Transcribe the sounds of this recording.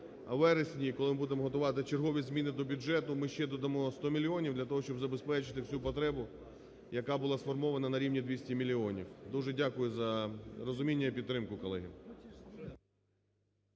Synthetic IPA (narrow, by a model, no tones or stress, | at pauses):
ɐ̰ʋɛɾesʲnʲikɔlˠɪmɪbud̪emɔɦɔt̪ʊʋɑt̪ɪt͡ʃerɦɔʋʲizmʲinɪd̪ɔbʲʊd͡ʒɛt̪ʊmɪʃt͡ʃɛd̪ɔd̪ɐmɔst̪ɔmʲilʲiɔnʲiwd̪lʲɐt̪ɔɦɔʃt͡ʃɔbzɐbespɛt͡ʃɪ̥t̪ɪwsʲupɔt̪ɾɛbʊ | jɐkɑbʊlˠɑsfɔrmɔʋɐnɐnɐɾʲiwnʲid̪ʋʲisʲtʲimʲilʲiɔnʲiwd̪uʒɛdʲakʊjʊzɐrɔzʊmʲinʲːɐipʲid̪t̪ːɾɪmkʊkɔlˠɛɦʲḭm